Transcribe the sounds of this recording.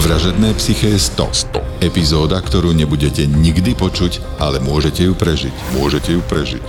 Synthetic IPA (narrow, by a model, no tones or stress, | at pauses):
ʋɾaʒɛd̪nɛːpsixɛjɛst̪ɔ̰st̪ɔ̰ɛpizɔːd̪akt̪ɔɾuːɲɛbuɟɛcɛɲiɡd̪ipɔt͡ʃuc | ʔalɛmʊɔʒɛcɛjupɾɛʒḭcmʊɔʒɛcɛjupɾɛʒḭc